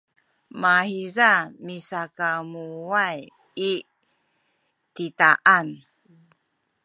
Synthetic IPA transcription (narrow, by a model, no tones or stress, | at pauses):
mahizamisakamuaj | i | titaʔan